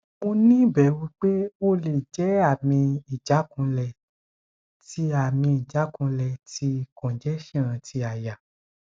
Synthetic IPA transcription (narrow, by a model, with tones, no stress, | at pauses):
o˧nĩ˦bɛ˨˦wi˧k͡pe˦o˦le˨d͡ʒɛ˨˦a˦˨mĩ˧i˨d͡ʒa˨˦kũ˧lɛ˨ | ti˦a˦˨mĩ˧i˨d͡ʒa˨˦kũ˧lɛ˨ti˧˦kɔ̃˨d͡ʒɛ˨˦ʃɛ̃˦˨ɾ̃ã˧tʰi˧a˨ja˨